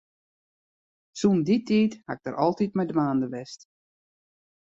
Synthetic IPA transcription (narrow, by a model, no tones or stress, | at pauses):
sunditʰiːtha̰ɪɡ̚d̥əɾʔɔlˠtitmɛjdʋaːndəʋɛst